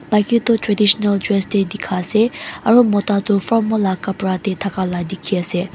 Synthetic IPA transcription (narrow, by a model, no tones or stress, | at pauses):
makit̪otɹad̪iɕnaldɹɛst̪ed̪ikʰaseʔaɹomot̪at̪ufɔmolakapɹat̪et̪ʰakalad̪ikʰːese